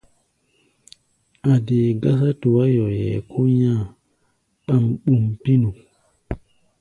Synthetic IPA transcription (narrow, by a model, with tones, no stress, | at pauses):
a˨de˨ɡa˦sa˦tu˨wa˦jɔ˨jɛ̰˨kʰo˦ɲã˦˨ | ɓa˦˨mɓu˨mpi˦nu˨